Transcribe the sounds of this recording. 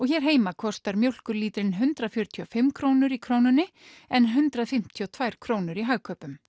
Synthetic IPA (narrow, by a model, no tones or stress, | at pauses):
ɔɣçɛɾ̥ɦeːjmakʰɔst̪aɾmjowl̥kʏɾliːt̪ɾɪnɦʏnt̪ɾafjœɾt̪ʰiɔfɪmːkʰɾoːwnʏɾikʰɾoːwnʏnːɪ | ɛnːɦʏnt̪ɾaðfɪm̥t̪ʰiɔt̪ʰvajɾ̥kʰɾoːwnʏɾiɦaɣkʰœːpʏm